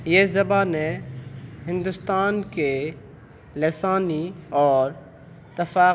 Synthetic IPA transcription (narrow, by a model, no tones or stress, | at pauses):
jeːzɐbaːnẽ | ɦɪ̃nd̪ʊst̪aːnke | lesaːniɔːɾ | t̪ɐfaː